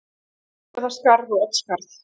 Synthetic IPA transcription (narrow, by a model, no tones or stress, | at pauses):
ðaskaɾðɔœt̪skaɾθ